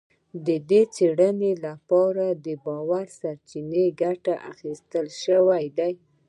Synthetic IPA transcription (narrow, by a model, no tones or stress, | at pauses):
d̪əd̪et͡seɽənelapɑɾad̪əbɑwaɾsaɾt͡ʃineɡaʈaʔa̰xist̪əlʃəwajd̪aj